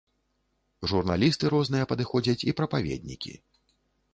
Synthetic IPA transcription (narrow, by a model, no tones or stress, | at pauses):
ʐurna̰lʲist̪ɨɾɔznɨjɐpɐd̪ɨxɔd͡zʲɐt͡sʲipɾɐpavʲeɛ̰d̪̚ʲnʲḭkʲḭ